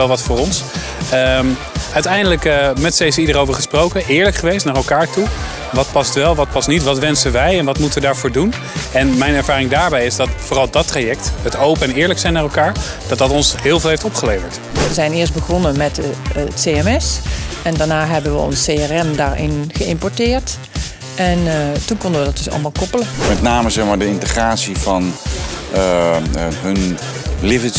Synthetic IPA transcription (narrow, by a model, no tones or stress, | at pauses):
ɛlˠʋɑtfʊːrɔns | əm | œɥtɛjndələkmɛtsejsəidərowvəɹχə̥sprowkəʔɪːɹləkχəʋejstnaːrɛlˠkaːɹtu | ʋɑt̚pɑstʋɛlˠʋɑt̚pɑsnitʋɑtʋɛnsənʋɛjɛnʋɑtmutəʋədaːɹvoːɹdun | ɛnmɛjnɛɹvaːrɪŋdaːɹbɛjɪzdɑtfoːrɑlˠdɑtraːjɛk̚tɦətowpəɛnɪːɹləksɛjnaːrɛlˠkaːɹ | d̥ɑt̚dɑtɔnsɦɪːlˠvɪlˠeftɔpχəlejvəɹt | ʋəzɛjnɪːɹs̬t̚bəɣɔnəmɛttseɛmɛsʔɛndaɹnaːɦɛbənʋəɔ̰nsejɛrɛmdaːɹɪ̰nɣəɪmpɔɹtɪːɹt | ʔɛntunkɔndəʋədɑt̚dɵsɑ̰lˠəmaːlˠkɔpələmɛtnaːməzɛχmaːɹdəɪntəχraːtsifɑn | ɦən | lɪvəs